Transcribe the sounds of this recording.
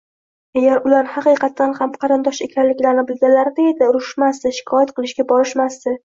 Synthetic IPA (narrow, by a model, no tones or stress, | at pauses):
aɡʲaɾʊlaɾhɑqɨjqʰɑt̪ːanhamqʰɑɾɪnd̪ɒʃe̞kʲʰanlɪkʲlaɾɪnɪbɪlɡʲanlaɾɪd̪ejd̪ɪʊɾʊʃʃmasd̪ɪʃɪ̥kʰɒjat̪qɨlˠɪʃɡʲabɒɾɪʃmasd̪ɪ